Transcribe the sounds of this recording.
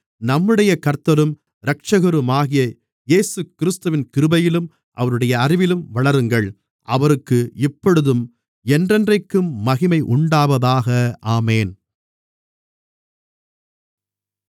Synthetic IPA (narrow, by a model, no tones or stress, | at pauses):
nɐmːɯɽɐjɐkɐɾt̪ːɐɾɯm | ɾɐk̚t͡ʃɐɣɐɾɯmaːɣɪjɐ | jeːsɯkɪɾɪst̪ɯʋɪnkɪɾɯbɐjɪlɯm | ʔɐ̰ʋɐɾɯɽɐjɐːrɪʋɪlɯmʋɐɭɐɾɯŋɡɐɭ | ʔɐ̰ʋɐɾɯkːɯɪpːɔɽɯðɯm | ɛndrɛndrɐɪkːɯmːɐɣɪmɐɪʔʊɳɖaːʋɐðaːɣɐaːmeːn